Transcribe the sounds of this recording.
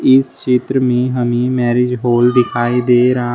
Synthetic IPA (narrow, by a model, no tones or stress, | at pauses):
ɪst͡ʃɪt̪ɾəmẽːɦəmĩːmɛːɾɪd͡ʒɦoːlɖ̪ɪkʰaːiːd̪eːɾa